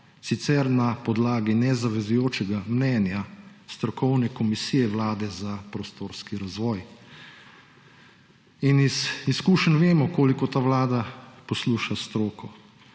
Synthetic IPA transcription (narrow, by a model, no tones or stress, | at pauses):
sit̪sɛɾnapɔd̪laːɡinɛzaʋɛzujoːt͡ʃɛɡamnɛːnjast̪ɾɔkɔwnɛkɔmisiːjɛʋlaːd̪ɛzapɾɔst̪oːɾskiɾazʋɔːj | iniziskuːʃənʋeːmɔkoːlikɔt̪aːʋlaːd̪apɔsluːʃast̪ɾoːkɔ